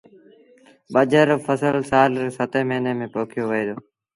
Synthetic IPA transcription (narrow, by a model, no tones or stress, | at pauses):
ɓəd͡ʒəɾfəsəlsaːlsət̪eːmeːneːmẽːpoːkʰɪjoːʋəeːd̪oː